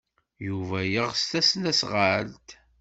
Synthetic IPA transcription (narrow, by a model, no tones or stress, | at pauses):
juvæjəʁst̪æsnæsʁəlt̪